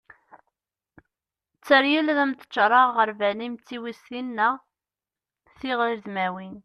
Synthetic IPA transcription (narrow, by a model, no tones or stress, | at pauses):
t͡sːəɾjəlðæmt̪ə̥t͡ʃːɾˤɑʁːəɾvænimt͡sːiwisθinːæ | θiʁɾðmæwin